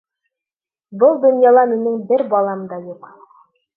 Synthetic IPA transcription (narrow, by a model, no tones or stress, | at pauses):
bɤlˠd̪ŏnjɑlˠɑminɘŋbɘɾbɑlˠɑmd̪ɑjuq